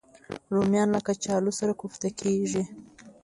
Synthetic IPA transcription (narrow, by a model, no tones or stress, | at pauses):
ɾomjɑnlakat͡ʃɑlosaɾakuxt̪akʰeʒi